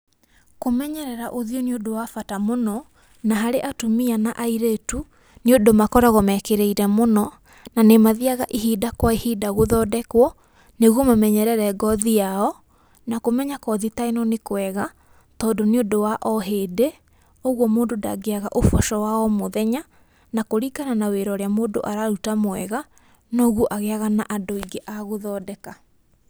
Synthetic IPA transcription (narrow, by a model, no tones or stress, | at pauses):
komɛɲɛɾɛɾaʔoðioniodowafatamonɔ | naɦaɾeʔatomianaʔaiɾetu | niodomakɔɾaɣɔmɛkeɾeiɾɛmonɔ | nanemaðiaɣaʔiɦidakwaihidaɣoðɔdɛkwɔ | neɣwɔmamɛɲɛɾɛɾɛɡɔðiaɔ | nakomɛɲakɔðitaenɔnekoɛɣa | tɔːdoneodowaʔɔɦeːde | oɣwɔmoːdonda̰ɡeaɣa̰ʔofɔʃɔwaɔmoðɛɲa | nakoɾikananaweɾɔɾeamoːndo̰ʔaɾaɾutamwɛɣa | nɔːɣwɔʔaɣeaɣanaʔadoiɡeʔaɣoðɔːdɛka